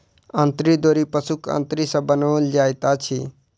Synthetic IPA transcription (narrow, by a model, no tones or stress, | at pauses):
ə̃nt̪ɾid̪oːɾipəsukʰə̰̃nt̪ɾisə̃bənold͡ʒaːjt̪at͡ʃʰi